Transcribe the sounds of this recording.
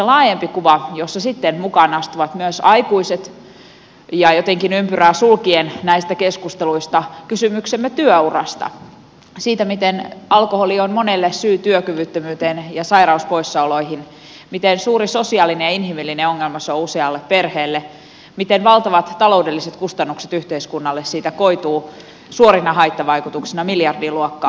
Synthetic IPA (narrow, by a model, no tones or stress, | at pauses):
selɑːjempikuʋɑjosːɑsit̪ːenmukɑnɑst̪uʋɑt̪myøsɑikuiset̪ | jɑjot̪eŋkinympyræːsulkiennæist̪ækeskust̪eluist̪ɑkysymyksemːet̪yøurɑ̰st̪ɑ̰ | siːt̪æmit̪enɑlkoholionmonelːesyːt̪yøkyʋyt̪ːømyːt̪enjɑsɑiɾɑuspoisːɑoloiɦin | mit̪ensuːɾiso̞siɑlinejɑinɦimilːineoŋːelmɑsouseɑlːepperheːlːe | mit̪enʋɑlt̪ɑʋɑt̪tːɑlo̞udelːiset̪kust̪ɑnːukset̪yht̪eiskunːɑlːessiːt̪ækoit̪uː | suoɾinɑɦɑjt̪ːɑʋɑikut̪uksinɑmiljɑrdiːluokːɑ̰ː